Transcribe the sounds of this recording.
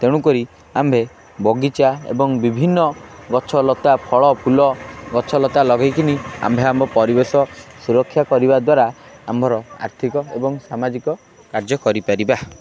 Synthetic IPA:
t̪eɽ̃ukɔɾi | ambʱe | bɔɡit͡ʃaḛbɔŋbibʱinːɔɡɔt͡ʃʰɔlɔt̪apʰɔɭɔpʰulɔɡɔt͡ʃʰɔlɔt̪alɔɡajkinia̰mbʱeambʱɔpɔɾibesɔsuɾɔkʰːjakɔɾibad̪waɾa | a̰mbʱɔɾɔa̰ɾt̪ʰikɔebɔŋsamad͡ʒikɔ | kaɾd͡ʒɔkɔɾipaɾiba

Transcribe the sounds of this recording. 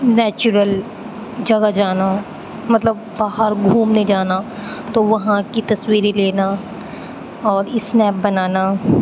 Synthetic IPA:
nɛːt͡ʃʊɾəl | d͡ʒɐɡad͡ʒaːna | mɐt̪ləb̚baːɦəɾɡʱuːmned͡ʒaːna | t̪oʋɐɦãkit̪ɐswiːɾeleːna | ɔːɾɪsnɛːp̚bɐnaːna

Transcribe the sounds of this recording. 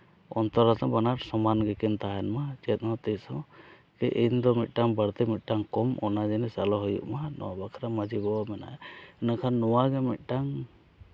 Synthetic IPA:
ɔnt̪ɔɾat̪ɔbanaɾsɔmanɡɛkɛnt̪aɦanmad͡ʒɛt̪̚ˀhɔt̪ɛsɔ | kɛʔind̪ɔmit̪̚ˀʈaŋbaɽt̪ɛmit̪̚ˀʈaŋkɔmɔ̰nad͡ʒɛnɛsalɔɦɔjṵʔmanɔ̰wabakʰaɾamad͡ʒibɔmɛna̰ʔɛnakʰanːɔwaɡɛmit̪̚ˀʈaŋ

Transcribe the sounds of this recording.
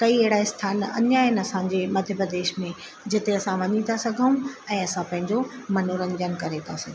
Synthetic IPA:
kɐieɦɪɽaɪst̪ʰaːnɐ̰ɲaɪnɐsãd͡ʑemɐd̪ʱjəpɾəd̪eːʃmẽ | d͡ʑɪt̪eɐsãʋɐɲĩt̪ʰasɐɡʱəũɛ̃ːɐsãpɐ̃ɦɪ̃ɲd͡ʑomɐnoɾə̃ɲd͡ʑənkɐɾet̪ʰasɐɡʱi

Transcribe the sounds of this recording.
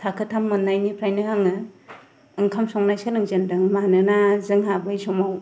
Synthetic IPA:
tʰakʰɯtʰamːɯnːajnipʰɾajnɯhaŋɯ | ɯŋkʰamsɔŋnajsɯlɯŋzendɯŋmanɯnazɯŋɦabɯjsɔmaw

